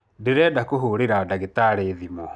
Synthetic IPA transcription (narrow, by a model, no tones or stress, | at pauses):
deɾɛdakoɦoɾeɾadaɣetaɾeðimɔ